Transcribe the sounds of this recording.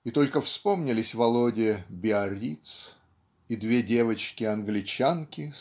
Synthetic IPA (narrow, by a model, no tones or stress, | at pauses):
it̪o̞lʲkəfspo̞mnʲɪlʲɪsʲvɐlˠodʲɪbʲɪɐɾʲit̪s | id̪vʲe̞dʲe̞vət͡ɕkʲɪɐnɡlʲɪt͡ɕankʲɪ